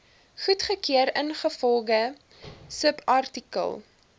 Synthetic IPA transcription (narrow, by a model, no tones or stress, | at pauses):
χutχəkiəɾənχəfɔlˠɡə | səpɐrtikə̰lˠ